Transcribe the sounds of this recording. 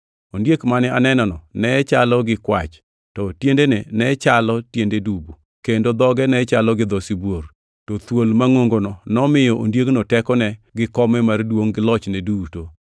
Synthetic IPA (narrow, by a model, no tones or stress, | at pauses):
ondjekmanɪanɛnɔnɔnɛt͡ʃalɔɡɪkwa̰t͡ʃ | tɔtjendenɛnɛt͡ʃalɔtjendedubu | kendod̪ɔɡɛnɛt͡ʃalɔɡɪd̪ɔsibwor | tɔt̪wolmaŋoŋɡonɔnɔmɪjɔʔondjeknɔtɛkɔnɛɡɪkɔmɛmardwoŋɡɪlɔt͡ʃnɛduto